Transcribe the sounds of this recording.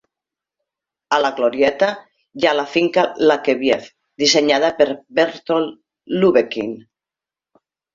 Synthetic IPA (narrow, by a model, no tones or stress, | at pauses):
alaɣloɾjɛt̪a | jalafiŋkalakeβjeθ | d̪iseɲað̞apeɾbeɾt̪olː | uβekin